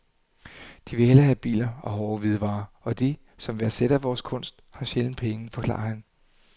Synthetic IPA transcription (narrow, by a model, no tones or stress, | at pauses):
d̥iʋe̝helɐɦæb̥ḭːlɐɒ̽hɒːʋið̞ˠʋɑ̈ː | ɒ̽d̥i | sɒ̽mʋe̝æseɾ̥æʋɒːskʰɔ̽n̰sd̥hɑ̈ɕeln̩pʰeŋənfɒ̽kʰlɑ̰̈ɑhæn